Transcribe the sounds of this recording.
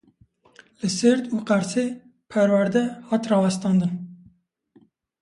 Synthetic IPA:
lɨsɨɾd̪uːqæɾse | pʰɛɾwæɾd̪ɛhɑːt̪rɑːwɛst̪ɑːnd̪ɨn

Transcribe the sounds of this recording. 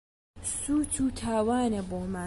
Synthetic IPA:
suːt̪ʰuːt̪ʰaːwaːnɐboːmaː

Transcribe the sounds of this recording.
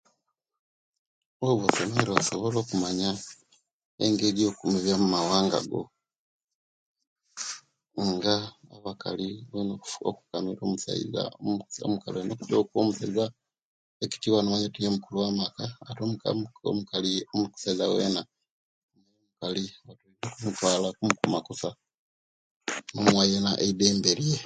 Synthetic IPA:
oβosomeɾoasoβo̞lo̞ːkumaɲa | ḛŋɡe̞ɾio̞kumiβjamumawaːŋɡa̰ɡo̞̰ | ŋɡaaβaka̰liβenoo̰ku̥kamiɾoːmusa̰ḭza̰o̰mukalenoku̥tokwomuseza | eki̥tiwanowaɲetijemukuluwamakaːtomukao̰mukaliomuku̥saizawe̞̰ːna | mejomukaliwatuizokumutwaːlakumukumakosa | nomwajenaʔeide̞ːmbe̞ɾije

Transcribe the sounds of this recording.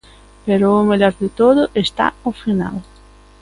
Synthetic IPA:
peɾʊːmeʎɔɾðɪt̪oðʊʔest̪a̰ʊfina̰l

